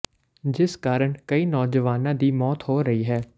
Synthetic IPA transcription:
d͡ʒɪskaːɾəɳkəiːnɔːd͡ʒəʋaːnãːd̪iːmɔːt̪ɦoːɾəiːɦɛː

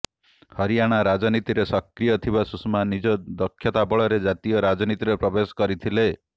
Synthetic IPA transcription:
hɔɾijaɽ̃aɾad͡ʒɔnit̪iɾesɔkɾijɔt̪ʰibasusmanid͡ʒɔd̪ɔkʰːjɔt̪abɔɭɔɾed͡ʒat̪ijɔɾad͡ʒɔnit̪iɾepɾɔbesɔ̥kɔɾit̪ʰile

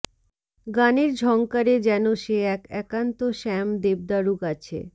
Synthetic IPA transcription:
ɡaneɾd͡ʑʱɔŋkaɾed͡ʑɛnoʃeɛkɛkant̪oʃɛmd̪eb̚d̪aɾukat͡ɕʰḛ

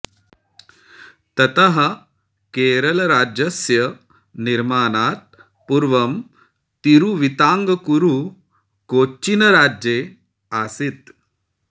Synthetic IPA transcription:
t̪ɐt̪ɐɦɐ | keːɾɐlɐɾaːd͡ʒɐsjɐ | niɾmaːnaːt̪̚ | puɾʋɐm | t̪iɾuʋit̪aːŋɡɐkuɾu | koːinɐɾaːd͡ʒeː | aːsit̪

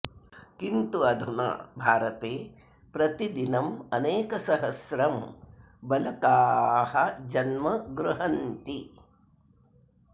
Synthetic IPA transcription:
kint̪uɐd̪ʱuna̰ːbʱaːɾɐt̪eː | pɾɐt̪id̪inɐmɐneːkɐsɐɦɐsɾɐm | bɐlɐkaːhɐd͡ʒɐnmɐɡɾuɦɐnt̪i

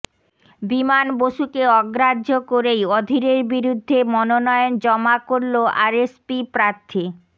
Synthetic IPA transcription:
bimanboʃukeɔɡɾadʱokoɾejod̪ʱiɾeɾbiɾud̪ʱːemɔnonɔeond͡ʑɔmakoɾloʔaɾespipɾaɾt̪ʰi

